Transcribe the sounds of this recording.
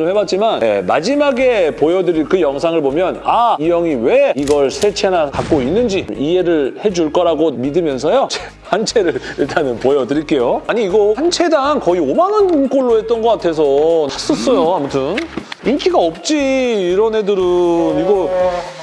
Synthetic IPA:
ʌmhwebat̚t͡ɕ͈imanḛma̰d͡ʑimaɡe̞pojʌdɯɾikɯjʌŋsʰaŋɯɭbomjʌnaijʌŋiweiɡʌɭsʰe̞t͡ɕʰenakak͈oinːɯnd͡ʑiie̞ɾɯɭhe̞d͡ʑuɭk͈ʌɾaɡomidɯmjʌnsʰʌjot͡ɕe | hant͡ɕʰe̞ɾɯɾiɭt͈anɯnpojʌdɯɾiɭk͈e̞joaɲiːɡʌhant͡ɕʰe̞daŋkʌiomanɯnk͈oɭːoɦe̞t̚t͈ʌnɡʌk͈atʰe̞s̬ʰʌas͈ʌs͈ʌjoamutʰɯnink͈iɡaʌp̚t͡ɕ͈iːɾʌnɦe̞dɯɾɯniɡʌ

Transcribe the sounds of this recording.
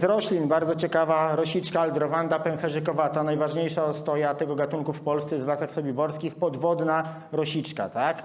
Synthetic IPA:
zɾɔɕlʲinbaɾd̪zɔt͡ɕɛkavaɾɔɕit͡ʂkaːld̪ɾɔvand̪apɛnxɛʐɘkɔvat̪anajvaʐɲejʂast̪ɔjat̪ɛɡɔɡat̪uŋkufpɔlst̪sɛzvlasaxsɔbʲibɔɾskʲixpɔd̪vɔd̪na | ɾɔɕit͡ʂka̰t̪ak

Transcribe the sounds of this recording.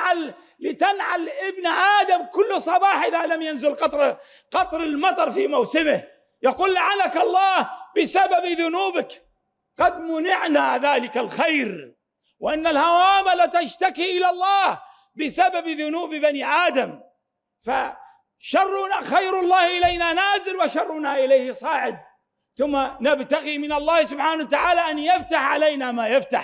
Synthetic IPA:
ʕalː | ɪt̪anʕalʔɪbnʔaːd̪amkʊlːsˤɑbɑːħʔɪðalamjanzɪlqɑt̪ˤɾ | qɑt̪ˤɾɪlmɑt̪ˤɑɾˤfiːmawsɪmɪh | jaquːlːaʕalakɑlˤːɑːhbɪsababðʊnuːbɪk | qɑd̪mʊnɪʕnaðaːlɪkalxajɾ | wɪʔanːalhawaːmalat̪aʃt̪akiʔɪlalˤːɑːh | bɪsababðʊnuːbbaniʔaːd̪am | fa | ʃɑrˤːʊnaxajɾʊlˤːɑːhʔɪlajnanaːzɪlwɪʃɑrˤːʊnaʔɪlajhɪsˤɑːʕɪd̪ | θʊmːanabt̪aɣimɪnɑlˤːɑːhsʊbħaːnawat̪aʕaːlaʔanjaft̪aħʕalajnamaːjaft̪a̰ħ

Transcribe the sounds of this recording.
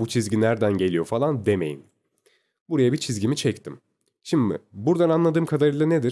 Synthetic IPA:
but͡ʃʰizɟinæɾd̪ænɟe̞lʲijo̞falˠand̪eme̞jḭn | buɾajabit͡ʃʰizɟimit͡ʃʰɛct̪ʰim | ʃimɪ̰buɾd̪ananlˠad̪ɯːmkʰad̪aɾɯjlˠaned̪iɾ

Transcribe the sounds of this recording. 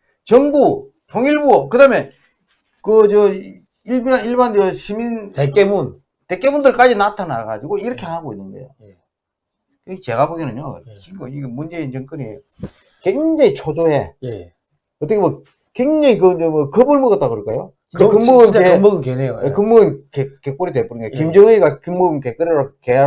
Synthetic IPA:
t͡ɕʌŋbu | toŋiɭbukɯdamje | kɯt͡ɕʌ | iɭbaniɭband͡ʑʌɕʰimintek͈emun | te̞k͈e̞mundɯɭk͈ad͡ʑinatʰanaɡa̰d͡ʑiɡoiɾʌkʰehaɡoinːɯndḛjo | kɯɡt͡ɕe̞ɡaboɡinɯɲjoiŋɡoiɡemund͡ʑe̞int͡ɕʌŋk͈ɯniejo | kweŋd͡ʑeŋit͡ɕʰod͡ʑoɦe | ʌt͈kʰewʌ | kweŋd͡ʑeŋik̬ɯɯmʌkɯbɯɭmɯɡʌt̚t͈akɯɾɯɭk͈ajot͡ɕind͡ʑekɯmboɡɯnemɡɯnkenejojekɯŋmuɡɯnkekek͈oɾidep͈oɾɯnɡajokimd͡ʑʌŋɯiɡakimːoɡɯnkek͈ɯɾeɾoke

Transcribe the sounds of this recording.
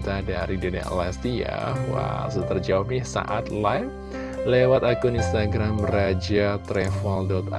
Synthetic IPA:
t̪adaɾidəna̰ʔlast̪ija̰wa̰st̪ərd͡ʒawapɲɪsa̰ʔat̪lajf | lewat̪akʊninst̪aɡɾamrad͡ʒat̪ɾɛfɔldɔt̪a

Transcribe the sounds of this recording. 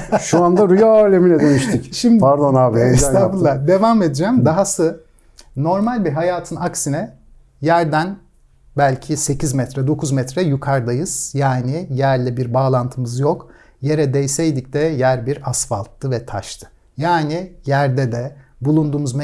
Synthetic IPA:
ʃuand̪aɾujalʲemilʲɛd̪ønyʃt̪ycʃimd̪paɾd̪onaːbiesabulːˠad̪e̞vaːme̞d̪id͡ʒɛmd̪aɦasɯ | no̞ɾmalʲbiɦajaːt̪ʰɯnaksinɛ | jæɾd̪æn | bælʲcʰise̞cʰizmɛt̪ɾɛd̪o̞kʰuzmɛt̪ɾɛjukʰaɾd̪ajɯz̥jaːnijæɾlʲɛbiɾbaːlˠant̪ʰɯmɯzjok | je̞ɾɛd̪ɛjsɛjd̪icd̪ɛjæɾbiɾasfa̰lˠt̪ʰːɯvɛt̪ʰa̰ʃt̪ʰɯ̥ | jaːnijæɾd̪ɛd̪ɛbulˠund̪uːmuzm

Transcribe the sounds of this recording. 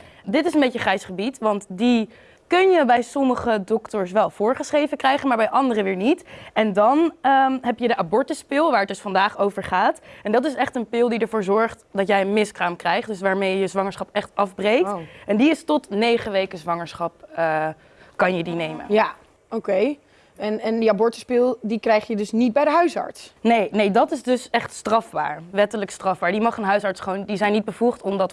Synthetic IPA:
dɪtɪsənbejcəχrɛjsχəbitʋɑntdi | kɵnjəbɛjsɔməχədɔktəɹsʋɛlˠv̥ʊːɹχəsχrejvəkrɛjχənmaːɹbɛjʔɑndərəʋɪːɹnitɛndɑnəɦɛpjədəʔabɔɹtəspɪlˠʋaːɹətdɵsfɑndaːχowvəɹχaːtɛndɑtɪsɛχtənpɪlˠdidəɹvʊːɹzɔɹχtdɑtjɛjənmɪskraːmkrɛjχtdɵsʋaːɹmejəjəzʋɑŋəɹsχɑpɛχtɑfbrejktʔɛndiɪstɔtnejχəʋejkəzʋɑŋəɹsχɑp̚ə | kɑnjədinejmə̰nja | okej | ɛnɛndiabɔɹtəspɪlˠdikrɛjχjədɵsnit̚bɛjdəɦœɥsɑ̰ɹtsnejnejdɑtɪsdɵsɛχtstrɑfba̰ːɹʋɛtələkstrɑvbaːɹdimɑχənɦœɥsɑɹtsχʋoːwndizɛjnːit̚bəvuχtɔmdɑt

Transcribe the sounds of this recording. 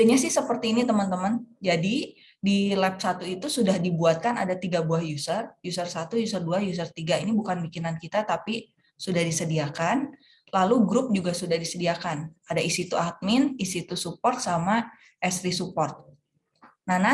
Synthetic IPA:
aɲasɪhsəpərt̪iːnit̪əmənt̪əmənd͡ʒadi | dilɛp̚sat̪uit̪usudahdibuat̪̚kana̰dat̪iɡabuahjusərjusərsat̪ujusərduajus̬ərt̪iɡainibukanbikinankit̪at̪api | sudahdisədiakan | laluɡɾʊp̚d͡ʒuɡasudahdisədiakanadaisit̪uat̪̚mɪnisit̪usupɔrt̪̚sama | ʔɛsɾisupɔrt̪̚ | nana

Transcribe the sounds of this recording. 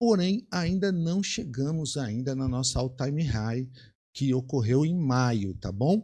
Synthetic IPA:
poɾẽj̃aĩnd̪ɐnɐ̃w̃ʃeɡɐ̃mʊzaĩnd̪ɐnɐnɔsɐawt̪ajmiɦaj | kɪokoɦewẽj̃majʊt̪abõw̃

